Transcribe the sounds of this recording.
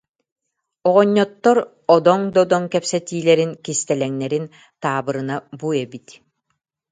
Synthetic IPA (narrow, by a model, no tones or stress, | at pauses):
ɔʁɔɲːɔt̪ːɔɾ | ɔd̪ɔŋd̪ɔd̪ɔŋkɛpsɛt̪iːlɛɾinkist̪ɛlɛŋnɛɾin | t̪aːbɯɾɯnabuɛbit̪